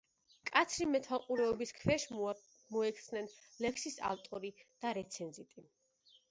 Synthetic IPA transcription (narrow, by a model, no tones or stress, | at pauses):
kʼat̪sʰɾimɛt̪ʰwalˠqʼuɾɛɔbiskʰvɛʃ | mɔɛkʰt̪snɛnlɛkʰsisa̰lt̪ʼɔɾid̪̥aɾɛt̪sʰɛnzit̪ʼi